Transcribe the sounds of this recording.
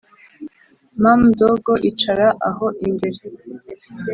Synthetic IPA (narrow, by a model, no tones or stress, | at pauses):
mamdoɡoʔit͡ʃaɾaʔaɦo̞ʔimbe̞ɾe